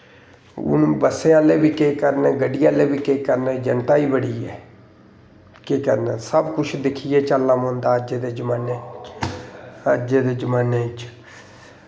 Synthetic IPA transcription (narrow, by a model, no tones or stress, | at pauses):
ʊ̰nũbəsːẽːaːleːbiːkeːkəɾneːɡəɖijaːleːbiːkeːkəɾnẽːd͡ʒənt̪aːiːbəɽiːɛ̰ː | keːkə̰ɾnɛːsəbkʊt͡ʃʰd̪ɪkʰiːɛːt͡ʃəlːãːmõːnd̪aːəd͡ʒeːd̪eːd͡ʒəmaːneː | əd͡ʒeːd̪eːd͡ʒəmaːneːt͡ʃ